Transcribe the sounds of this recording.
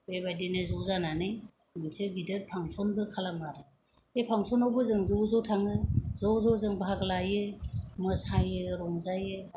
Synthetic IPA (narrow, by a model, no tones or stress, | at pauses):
bebajdenɯzɔzananɯj | mɯnsɯɡidɯt̚pʰaŋsɔnbɯkʰalamaɾɯ | epʰaŋsɔnawbɯzɯŋzɔwzɔwtʰaŋɯzɔzɔzɯŋbaɦaɡlajɯmɯsajɯɾɔŋzajɯ